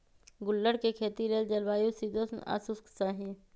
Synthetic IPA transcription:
ɡʊlːəɽkekʰeːt̪ileːld͡ʒɐlʋaːjũsid̪oːsna̰ːsusksaːɦĩː

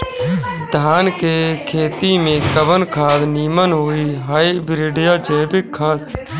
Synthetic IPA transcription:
d̪ʱaːnkeːkʰeːt̪iːmẽːkəbənkʰaːd̪niːmənɦoːiːɦaːibɪɾɪːɖɪjaːd͡ʒɛːbɪkʰːaːd̪

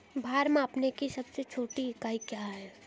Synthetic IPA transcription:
bʱaːɾmãɐpnekisɐbset͡ʃʰoːʈikaːikjaɦɛː

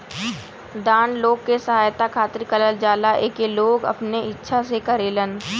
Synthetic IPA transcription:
d̪aːnloːɡ̚kesəɦaːjt̪akʰaːt̪ɾikələld͡ʒaːlaʔeːkeloːɡɐ̰pneɪtːʃʰasekɐəɾeːlən

